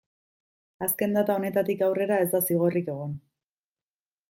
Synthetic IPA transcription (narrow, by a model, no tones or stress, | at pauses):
aske̞nd̪at̪ao̞ne̞t̪at̪ikawre̞ɾae̞zd̪asiɣ̞o̞rike̞ɣ̞on